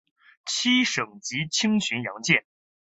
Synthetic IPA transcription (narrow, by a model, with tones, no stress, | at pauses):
t͡ɕʰi˥ʂɤ˨˩ŋt͡ɕi˧˥t͡ɕʰi˥ŋɕy˧˥njɑ˧˥ŋt͡ɕjɛ˥˩n